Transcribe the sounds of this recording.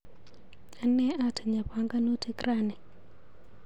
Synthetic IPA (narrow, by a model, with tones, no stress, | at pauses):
a˦nːɛ˦ʔa˨tʰa˨ɲa˨ɸa˦ŋɡa˦nu˦tʰe˦kɾaː˦˨nɛ˨